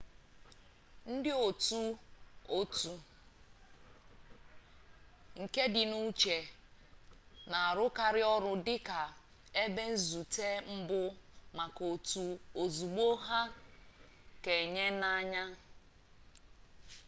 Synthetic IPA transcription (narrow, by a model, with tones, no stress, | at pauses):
n̩˦dɪ˦o˨tu˦o˦tu˨ | ŋ̩˨ke˦dɪ˨nu˦t͡ʃe˨ | na˨a˨ɾʊ˦ka˨ɾɪ˦ɔ˦ɾʊ˦dɪ˦ka˨ | e˦be˦n̩˦zu˨te˦m̩˦bʊ˦ma˨ko˨tu˨o˨zu˨ɡ͡bo˦ɦa˦ | ke˨ɲe˦na˦ɲa˦